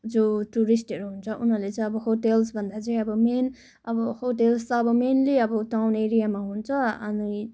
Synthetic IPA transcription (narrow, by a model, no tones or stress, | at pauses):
d͡zoʈuɾisʈʌɾuɦunt͡sʰʌʔunɦʌrlet͡saj̃ʌbʌɦoʈelsbʱʌnd̪at͡sʌĩʌbʌmen | ʌbʌhoʈelst̪ʌːbʌmenliʌbʌʈawneɾijamaɦunt͡sʰʌʌ̰ni